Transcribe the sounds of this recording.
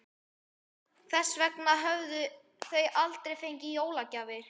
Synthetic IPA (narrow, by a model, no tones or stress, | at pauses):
kθɛsːvɛknaɦœvðʏ | θœjalt̪ɾejfejɲcɪjoːwlacaːvɪɾ̥